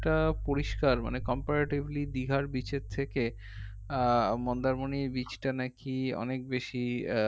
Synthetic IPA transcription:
ʈapoɾiʃkaɾma̰nekɔmpaɾaʈiblid̪iɡʱaɾbit͡ɕet̪ʰːeke | mɔnd̪aɾmoniɾbit͡ɕʈanakiɔ̰nek̚beʃi

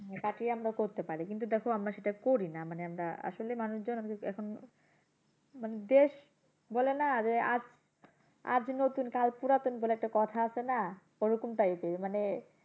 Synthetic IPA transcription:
kaʈiamɾakoɾt̪epaɾikint̪̬ud̪ɛkʰoamɾaʃeʈakoɾinamaneamɾaa̰ʃolemanuʃd͡ʑonokeɛkʰon | maned̪eʃ | bɔlenad͡ʑea̰d͡ʑ | a̰d͡ʑnot̪unkalpuɾat̪onbolɛk̚ʈakɔt̪ʰaasʰena | oɾukumt̪ait̪emane

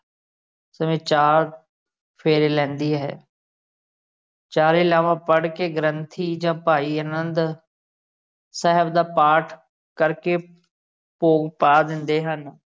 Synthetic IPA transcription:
səmiːt͡ʃaːɾ | pʰeːɾeːlɛ̃ːnd̪iːɦɛ̰ː | t͡ʃaːɾɪlaːʋãːpəɽkeːɡəɾənt̪ʰiːd͡ʒãːpaːiːəːnənd̪ | sɛɦəbd̪aːpaːʈʰ | kəɾkeː | poːɡpaːd̪ɪnd̪eːɦən

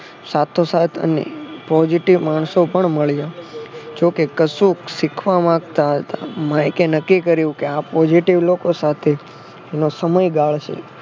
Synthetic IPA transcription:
sat̪ʰosat̪ʰə̰nḛpɔd͡ʒiʈiʋmaɳ̃sopəɳməɭjad͡ʒokekəsuksikʰʋamãkt̪aɦət̪a̰mãikenəkːikəɾjũkeapɔd͡ʒiʈiʋlokosat̪ʰeː | nosəməjɡaɭt͡ʃʰḛ

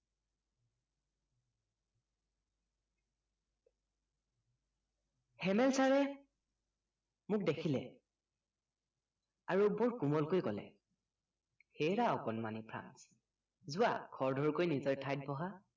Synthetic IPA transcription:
hɛmɛlsaɹɛ | mʊk̚dekʰilɛ̰ | aɹubɔɹkumɔlkojkɔlɛ̰ | xejɹaɔkɔnmanipʰɹa̰ns | zʊwa̰kʰɔɹdʱɔɹkojnizɔjtʰajt̚bɔɦa

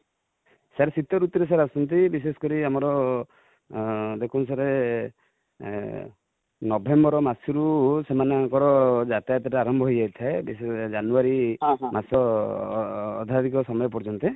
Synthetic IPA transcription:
saɾesit̪ɔɾut̪ɔɾes̬aɾasɔnt̪ibis̬esɔ̥kɔɾiamɔɾɔ | d̪ekʰuns̬aɾe | nɔbʱembɔɾɔmasɔɾusemaneaŋkɔɾɔd͡ʒat̪at̪ɔʈeaɾɔmbʱɔɦojajt̪ʰaebised͡ʒanuaɾimasɔ | d̪ʱad̪ikɔsɔmɔjɔp̬ɔɾd͡ʒɔnt̪e

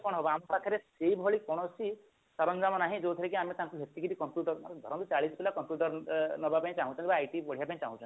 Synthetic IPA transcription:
kɔɽ̃ɔɦɔbɔamɔpak̪ʰjɔɾesejbʱɦɔɭikɔɽ̃ɔsi | saɾɔnd͡ʒamɔnaɦĩd͡ʒot̪ʰɔɾekiamet̪ãŋkubʱjek̚t̪ikiɾikɔmpjuʈɔɾmaɾɡ̪ʱɔɾɔ̃t̪ut͡ʃaɭispelakɔmpjuʈɔɾnɔbapaĩt͡ʃaɦũt͡ʃʰɔ̃nt̪ibaːjʈipɔɽijapãĩt͡ʃa̰ɦũt͡ʃʰɔn

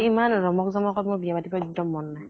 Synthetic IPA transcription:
imanɹɔmɔkzɔmɔkɔtmɔbijapatibɔdɔmːɔnːaj

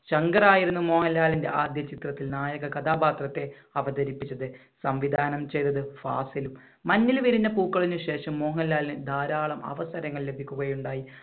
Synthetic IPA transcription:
ɕɐŋɡɐraːjiɾunːumo̞ːhɐlːaːlinde̞ʔaːd̪jɐt͡ɕit̪rɐt̪ːilnaːjɐɣɐkɐt̪ʰaːbaːt̪rɐt̪ːe̞ | ɐʋɐd̪ɐɾipːit͡ɕːɐðɨ | sɐmʋid̪ʱaːnɐmt͡ɕe̞jt̪ːɐðɨfa̰ːsilumː | ɐnːilʋiɾiɲːɐpuːkːɐɭiɲːuɕe̞ːʂɐmːo̞ːɦɐlːaːlinɨd̪ʱaːɾaːɭɐmɐ̰ʋɐsɐɾɐŋːɐɭle̞bʱikʲːuɣɐjuɳɖaːji

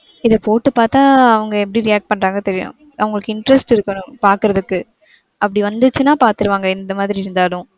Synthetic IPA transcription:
ɪðɐpoːʈːɯpaːɾt̪ãːɐʋɐŋɡɐɛpːɐɽiɾɪjaːk̚ʈ̚pɐɳːɾaːŋɡɐt̪ɛɾɪjʊ̰̃ | ɐʋɐŋɡɐɭɯkːɯɪɳʈɾɛsʈɪɾɯkːɐnʊ̃paːɾkɯɾɐðɯkːɯ | ʔɐpːɐɽiʋɐnd̪ɯt͡ʃːɯnaːpaːɾt̪ɯɾɯʋaːŋɡɐɪnd̪ɐmaːðɪɾiɪɾɯnd̪aːɭʊ̃

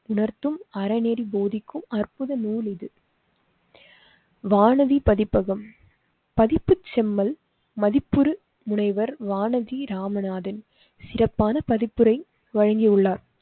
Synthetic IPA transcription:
ʊɳɐɾt̪ːɯmɐɾɐneːɾiboːðɪkːɯmɐrpʊðɐnuːlɪðɯ | ʋaːnɐðipɐðɪpːɐɣɐm | pɐðɪpːɯt͡ʃːɛmːɐl | mɐðɪpːɯɾɯ | mʊɳɐɪʋɐɾʋaːnɐðiɾaːmɐnaːðɪn | sɪrɐpːaːnɐpɐðɪpːɯɾɐɪ | ʋɐɻɐŋɡiʊɭːaːɾ

